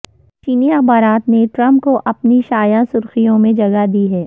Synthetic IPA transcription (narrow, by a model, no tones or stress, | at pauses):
t͡ʃiːniɐxbaːɾaːt̪neʈɾɐ̃mp̚koʔɐpniʃaːjasʊɾxijõmẽd͡ʒɐɡad̪iɦɛː